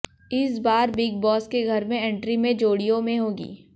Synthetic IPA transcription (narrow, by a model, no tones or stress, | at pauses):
ɪsbaːɾbɪɡ̚bɔːskeɡʱɐɾmẽɛ̃ːɳʈɾimẽd͡ʒoːɽijõmẽɦoːɡḭː